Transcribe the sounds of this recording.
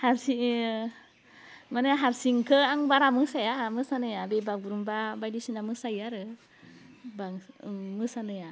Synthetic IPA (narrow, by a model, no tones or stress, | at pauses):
haɾsi | maneaɦaɾsiŋkəaŋbaɾamɯsajamɯsanəjabebaɡuɾumbabajdisinamɯsajaɾɯ | baŋmɯsanəja